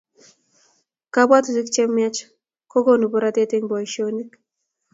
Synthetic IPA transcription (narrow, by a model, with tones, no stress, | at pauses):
ka˦bwa˦tu˨zi˦kt͡ʃɛ˦mːja˦t͡ʃ | ko˦ɡo˦nu˨bʊ˦ɾa˦te˦te˦ŋbɔ˨jʃo˦ni˦k